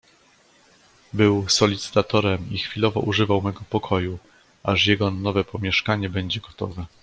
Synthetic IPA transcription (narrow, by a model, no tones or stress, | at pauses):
bɘwsɔlʲit̪sɘ̥t̪at̪ɔɾɛmixfʲilɔvɔ̰ʔuʐɘvawmɛɡɔpɔkʰɔju | aʂjɛɡɔnɔvɛpɔmʲjɛʂkaɲɛbɛɲd͡ʑɛɡɔt̪ɔ̰vɛ